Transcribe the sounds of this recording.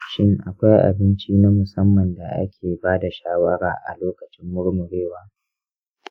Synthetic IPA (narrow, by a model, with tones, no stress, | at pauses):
ʃɪ˦ŋʔa˨kʷa˦jʔa̰˨bɪ˦nt͡ʃiː˦na˦mʊ˨sɐ˦mːɐ˨nda˨ʔa̰˦kʲʰeː˨baː˦da˨ʃaː˦wɐ˦ɽa̰ː˨ʔa̰˨loː˦kɐ˨t͡ʃɪ˦mːʊ˦ɽmʊ˨ɾeː˦˨waː˦